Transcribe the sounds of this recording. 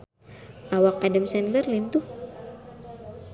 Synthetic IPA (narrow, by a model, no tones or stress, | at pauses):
ʔawak̚adamsɛnlərlint̪uh